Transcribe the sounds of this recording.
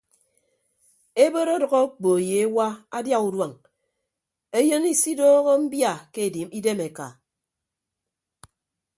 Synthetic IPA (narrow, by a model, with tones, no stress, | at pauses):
e˦bo˦ɾo˦dʌ˨ɣɔ˦k͡po˨je˨e˦wa˦a˦dja˦u˨dwa˨ŋ | e˦jo˦ni˦si˦doː˦ɣo˦m̩˦bja˦˨ke˦e˨di˨mi˦de˦me˨ka̰˨